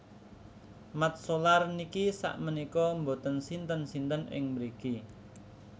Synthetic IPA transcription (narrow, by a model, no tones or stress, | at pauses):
mat̪̚solarnikisa̰ʔmənikɔmbot̪ənsint̪ənsint̪ənʔɪ̰ŋməɾiki